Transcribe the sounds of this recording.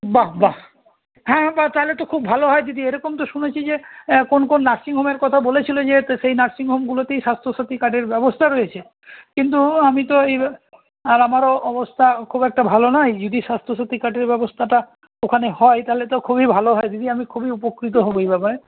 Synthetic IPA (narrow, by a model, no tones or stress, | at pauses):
baba | hɛ̃bat̪aelet̪okʰubʱaloɦɔed͡ʑod̪ieɾɔkomt̪oʃunet͡ɕʰid͡ʑekonkonːaɾsiŋɦomeɾkɔt̪ʰabolet͡ɕʰilod͡ʑeʃejnaɾsiŋɦomɡulot̪ejʃast̪ʰosat̪ikaʈeɾbɛbost̪ʰaɾojet͡ɕʰe | kint̪uamit̪oej | aɾamaɾoɔbost̪ʰakʰubɛk̚ʈabʱalonɔjd͡ʑod̪iʃast̪ʰoʃat̪ːikaʈeɾbɛbost̪ʰaʈa | okʰanehɔet̪aɦelet̪okʰubibʱaloɦɔed͡ʑod̪iamikʰubiupokɾit̪̬oɦoboejbɛpaɾe